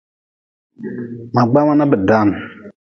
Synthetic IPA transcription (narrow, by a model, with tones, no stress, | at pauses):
ma˨ɡ͡ba˦ma˦na˦bɨ˨da˨˦˨n˨